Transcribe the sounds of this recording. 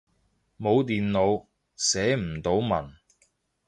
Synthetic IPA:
mo˨˧wt̪iː˨nlo˨˧w | sɛː˨˥m̩˨˩t̪o˨˧˥wmɐ̰˨˩n

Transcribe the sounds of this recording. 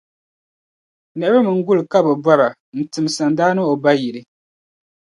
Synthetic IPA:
nɛ˨˦bɨ˦mɨ˨ŋ̩˦ɡu˦lɨ˨ka˦bɛ˨ba˦ɾa˨ | n̩˨tɨ˨m˨sa˨ndaː˦nɨ˦o˨ba˦ji˨ɾɨ˦

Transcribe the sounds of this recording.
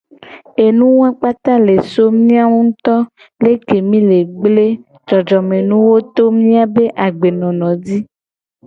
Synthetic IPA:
e˨nũ˦wɛ˦k͡pa˦t̪a˦le˨so˦mĩ˦a˦ŋũ˦t̪ɔ˦ | le˦ke˨mĩ˦le˨ɡ͡ble˦ | d͡ʒɔ˨d͡ʒɔ˨mẽ˨nũ˦wo˦t̪o˦mĩ˦a˨be˦ʔa˨ɡ͡be˨nɔ̃˨nɔ̃˨di˦

